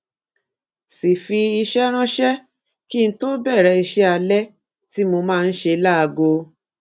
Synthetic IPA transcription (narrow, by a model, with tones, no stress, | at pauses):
si˨fi˧i˧ʃɛ˦ɾ̃ã˦ʃɛ˦ | ki˦˧ñ̩˦to˦bɛ˦˨ɾɛ˧i˧ʃɛ˦a˧lɛ˦ | ti˦mo˧mãː˦˧n̩˦ʃe˧˦la˦a˧ɡo˧